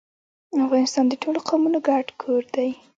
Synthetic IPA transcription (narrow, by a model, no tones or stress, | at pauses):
afɣɑnɪst̪ɑnd̪əʈʰoloqʰawmunoɡaɖkʰoɾd̪aj